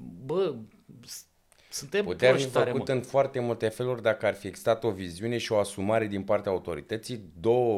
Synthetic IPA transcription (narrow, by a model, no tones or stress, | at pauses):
bə | s | sunt̪emput̪eafifəɾkut̪ɨnfoart̪e̞mult̪e̞fe̞lurʲd̪akəarfieɡzi̥st̪at̪o̞viziune̞ʃio̞asumaɾe̞d̪inpart̪eaut̪o̞ɾḭt̪ət̪sijd̪o̞wə